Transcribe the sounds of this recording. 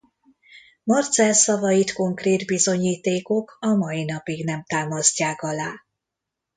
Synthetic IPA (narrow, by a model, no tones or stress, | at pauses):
mɒrt̪sɛlsɒvɒjit̪ko̞ŋkreːd̪bizo̞ɲiːt̪eːko̞kʰɒmɒjin̪ɒpiɡnɛmt̪aːmɒscaːkɒlaː